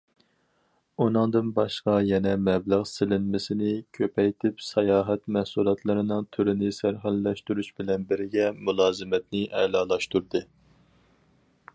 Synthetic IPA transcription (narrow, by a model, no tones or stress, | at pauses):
unɨŋd̪ɨnbɑʃqɑjɛnɛmɛbləʁsɪlɪnmɪsɪnɪkʲʰøpʰɛjt̪ʰɪpsɑjɑːɦɛt̪mɛhsulˠɑt̪ʰlˠɨɾɨnɨŋt̪ʰyɾɪnɪsæɾɦælːɛʃt̪uɾuʃbɪlɛnbɪɾɡʲɛmulˠɑːzɨmɛt̪nɪʔɛ̰lˠɑːlˠɑʃt̪uɾd̪ɨ